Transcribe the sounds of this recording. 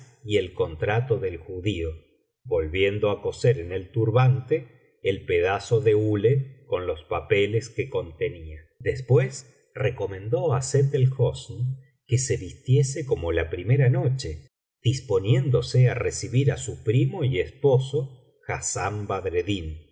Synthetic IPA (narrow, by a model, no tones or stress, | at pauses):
ie̞lko̞nt̪ɾat̪o̞ðe̞lxuðio | βbo̞lβje̞nd̪oako̞seɾene̞lt̪uɾβant̪eː | lpeðaso̞ðe̞uleko̞nlo̞spapele̞ske̞ko̞nt̪e̞nia | d̪espwe̞s | reko̞mẽ̞nd̪o̞aset̪elxosn | ke̞se̞βist̪jeseko̞mo̞lapɾime̞ɾano̞t͡ʃe̞ | ð̥ispo̞nje̞nd̪o̞searesiβiɾasupɾimo̞iespo̞so̞ | xasambaðɾeðin